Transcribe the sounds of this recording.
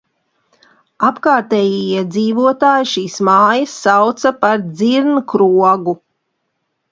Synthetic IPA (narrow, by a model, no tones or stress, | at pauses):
apkaːɾt̪ɛːjijiɛd̪ziːvuɔt̪aːjiʃiːsmaːjɐsːawt̪sɐpaɾd̪ziɾnkɾuɔɡu